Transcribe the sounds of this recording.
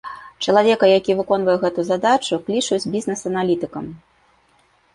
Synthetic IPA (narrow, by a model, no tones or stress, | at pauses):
t͡ʂɐlˠavʲɛkɐjakʲivɨkɔnvɐjɛɣɛt̪uzad̪at͡ʂuklʲit͡ʂut͡sʲbʲiznɛsɐnalʲit̪ɨkɐm